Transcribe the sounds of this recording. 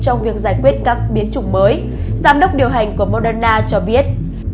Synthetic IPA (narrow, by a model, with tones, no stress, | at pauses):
t͡ɕɔ˧wŋ͡mvi˨˩ək̚zaː˧˩jkwi˦˥ət̚kaː˦˥k̚ɓi˨˦nt͡ɕʊ˨˧˩ŋ͡mməː˨˦j | zaː˧mɗə˦˥wk͡p̚ɗi˨˩əwɦa˨˩jŋ̟ku˧˩əmo˧ɗəː˧naː˧t͡ɕɔ˧ɓi˦˥ət̚